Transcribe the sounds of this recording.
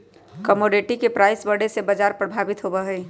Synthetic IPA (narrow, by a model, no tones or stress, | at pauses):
kəmoɖeʈikepɾaːɪsbəɽ̤esebəd͡ʒaːɾpɾəbʱaːbɪt̪ɦobəɦɛː